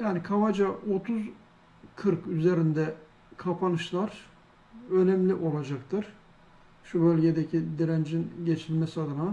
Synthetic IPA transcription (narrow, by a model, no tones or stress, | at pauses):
jaːnikʰavad͡ʒaʔo̞t̪ʰuz | kʰɯɾkyze̞ɾind̪ɛ | kʰapʰanɯʃlˠaɾ̥ | ø̞nɛmlʲiʔo̞lˠad͡ʒakt̪ʰɯɾ̥ | ʃubø̞lʲɟe̞d̪ecʰid̪iɾænd͡ʒinɟe̞t͡ʃʰilʲmesiad̪ɯna